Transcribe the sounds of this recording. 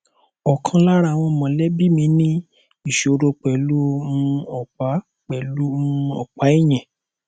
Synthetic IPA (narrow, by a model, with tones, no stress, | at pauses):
ɔ˨kʰã˧la˦ɾa˧˨w̃ɔ̃˧mɔ̃˨lɛ˦bi˦mĩ˨˧˦nĩ˦ | i˨ʃɾo˧k͡pɛ˨lu˦mũ˧ɔ˨k͡pa˨˦ | k͡pɛ˨lu˦muũ˧ɔ̰˨k͡pa˨˦i˦˨j̃ɛ̃˨